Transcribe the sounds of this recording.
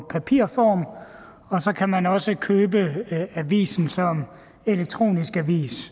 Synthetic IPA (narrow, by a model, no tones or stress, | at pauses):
pʰæpʰiɐ̰fɒːm | ɒ̽sɒ̽kʰæmænɒ̽səkʰøːbəæʋḭːsn̩sɒ̽m | e̝leɡ̥̚t͡sʰʁo̝̰ːnisɡ̥æʋḭːs